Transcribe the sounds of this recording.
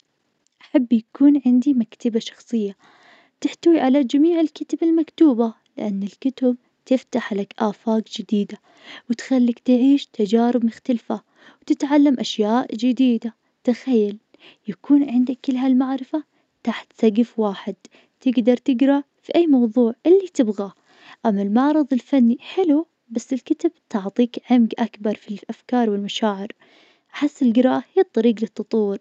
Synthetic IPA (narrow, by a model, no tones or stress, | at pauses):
ʔʔaħabːjakuːnʕɪnd̪imakt̪abaʃɑ̥xsˤɨjːa | t̪ɪħt̪awiʕalad͡ʒamiːʕɪlkʊt̪abɪlmakt̪uːba | lɪʔanːɪlkʊt̪ab̚ | t̪ɪft̪aħlakʔaːfaːkd͡ʒɪd̪iːd̪a | wɪt̪xalːakt̪ɪʕiːʃt̪ad͡ʒaːɾɪb̚mʊxt̪alfa | wt̪ɪt̪ʕalːamʔaʃjaːʔd͡ʒɪd̪iːd̪a | t̪axajːal | jakuːnʕɪnd̪akːɪlɦalmaʕɾɪfa | t̪aħt̪saɡɪfwaːħɪd̪̥ | t̪ɪɡd̪ɑɾˤt̪ɪɡɾˤɑ | fiʔajːmɑwðˤuːʕʔɪlːit̪ɪbɣa | ʔamːalmɑʕɾˤɨðˤɪlfanːiħɪlu | basːɪlkɪt̪abt̪ʊʕt̪ˤiːkʕɪmɡʔakbɑɾˤfilʔafkɑːɾˤwɪlmaʃaːʕɪɾ | ʔaħɪsːɪlɡɪɾɑːʔhijt̪ˤːɑɾiːɡlɨt̪ːʊt̪ˤuːɾ